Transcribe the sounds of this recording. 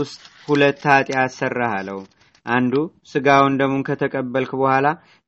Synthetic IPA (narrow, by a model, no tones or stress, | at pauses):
ʊst̪ʼhulət̪ːat̪ʼjasərːahalːəh | ʔand̪usɨɡawund̪əmonkʰət̪ʰəkʼəbːəlkubəhʷala